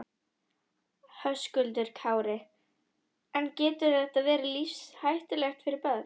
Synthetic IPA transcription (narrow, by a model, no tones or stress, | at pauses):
hœskʏlt̪ɪɾ̥kʰaːwɾɪ | ɛncɛːt̪ʏθɛht̪aðvɛːɾalifshajht̪ɪlɛxt̪fɪɾɪɾpœð